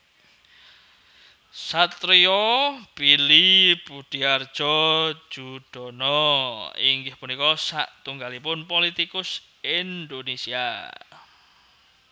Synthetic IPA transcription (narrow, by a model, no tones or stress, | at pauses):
sat̪ɾiɔpilipud̥iard̥ʒ̥ɔ̥ʒ̥uɖ̥ɔ̤nɔ | ḭŋɡɪhpunikɔsa̰ʔt̪uŋɡalipʊnpolit̪ikʊs | ind̪onesia̰